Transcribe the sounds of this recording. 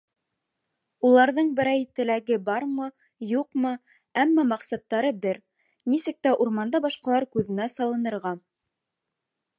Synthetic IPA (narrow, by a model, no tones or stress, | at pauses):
ulˠɑɾðɤɴbɘ̆ɾæjt̪ɘ̆læɡɘbɑɾmɤ | juqmɤ | æmːɑmɑqsɑt̪ːɑɾɤbɘɾ | nisɘk̚t̪æʔuɾmɑnd̪ɑbɑʃqɑlˠɑɾkʉðɘ̆næsɑlˠɤ̆nɤ̆ɾʁɑ